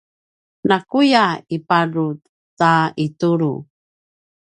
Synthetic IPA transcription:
nakujaipaɾutː | aituɾu

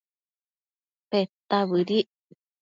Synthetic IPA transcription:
pet̪aβɨɾiʔ

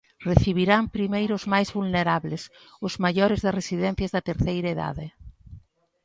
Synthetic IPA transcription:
reθiβ̞iɾampɾimejɾʊzmajzβulneɾaβlɪs | ʊz̥maʎɔɾɪzðɐresiðɛn̟θjɐzðɐt̪eɾθejɾɐaeða̰ðɪ

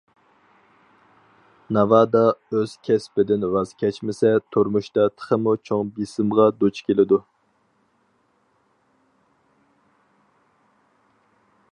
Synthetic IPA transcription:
nɑvɑːd̪ɑøz̥kʲʰɛspɪd̪ɪnɾɑzkʲʰɛt͡ʃmɪsɛt̪ʰuɾmuʃt̪ɑt̪ʰə̥χʰəmut͡ʃʰoŋbisɪmʁɑd̪ot͡ʃkʲʰelɪd̪u

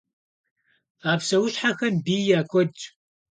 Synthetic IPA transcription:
aːpsɐwʊɕħaxɐmbiːjaːkʷʰɔdt͡ʃʼ

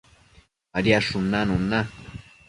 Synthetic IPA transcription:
aɾjaʂʊnanʊna

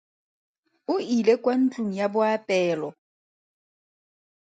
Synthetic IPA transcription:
ʊilekʼwan̩t͡ɬʼuŋ̩jabʊapʼɛːlɔ

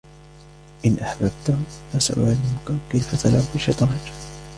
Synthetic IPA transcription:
ʔɪnʔaħbab̚t̪amasa̰ʔʊ̰ʕlɪmʊkakajfat̪ʰalʕʊbɪʃɪt̪ˤɑːd͡ʒ

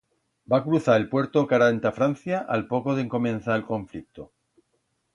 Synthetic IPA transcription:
bakɾuθaɾelpwe̞ɾt̪okaɾant̪afɾan̟θjaʔalpo̞koðeŋko̞mẽn̟θaelko̞ɱflik̚t̪o

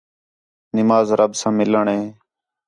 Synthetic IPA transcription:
nɪmaːzɾəbsãːmɪləɳɦẽː

